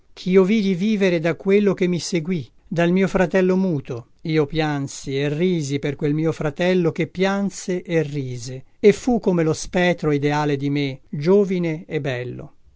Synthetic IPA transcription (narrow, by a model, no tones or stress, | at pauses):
k̟ʰiːoviːd̪iviːveɾed̪akːwelːok̟emːiseɡwi | d̪almiːofɾat̪ɛlːomuːt̪o | iːopjansierːiːziperkwelmiːofɾat̪ɛlːok̟epːjanseʔerːiːzeefukːomelospɛːt̪ːɾoid̪eaːled̪imed͡ʒoːvineebːɛlːo̰